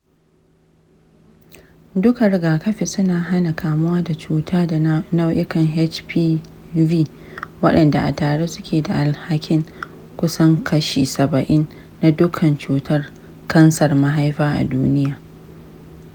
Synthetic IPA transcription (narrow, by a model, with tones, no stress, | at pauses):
dʊ˦kɐ˨rɡaː˨kɐ˦ɸe˨sʊ˦naː˨ɦa˦na˨kʰaː˨mʊ˦waː˦da˨t͡ʃuː˦tʰaː˦da˨na˦wʔɪ˦kɐ˨ŋɦɛ˦t͡ʃpʰiː˦viː˦ | wɐ˦ɗɐ˨nda˨ʔa̰˨taː˨ɽe˦sʊ˦kʲʰeː˨da˨ʔa˨lha˦kʲɪ˦ŋ | kʷʊ˦sɐ˦ŋkʰɐ˦ʃiː˨sɐ˨bɐ˨ʔɪ˦nː | a˦dʊ˦kʰɐ˨nt͡ʃuː˨tʰɐ˦r | kɐ˦nsɐ˨rma˦ɦa˦jɸaː˦ʔa̰˨duː˦nɪ˦jaː˨